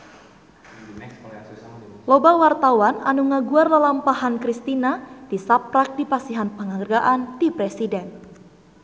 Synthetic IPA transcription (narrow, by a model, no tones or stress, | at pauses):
lobawart̪awananuŋaɡuardalampaɦankɾist̪inad̥isap̚ɾak̚dipasiɦanpəŋaərɡaʔandipɾɛsidɛn